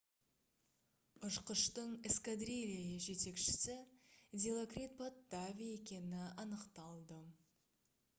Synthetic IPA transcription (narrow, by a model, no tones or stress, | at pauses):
ʊʃqəʃt̪əɴɪskad̪rʲilʲajəʒe̞t̪e̞kʃɪ̥sɪd̪ʲelˠokrʲit̪̚pot̪ːavʲije̞kʲe̞nɪɑnəqt̪ɑlˠd̪ə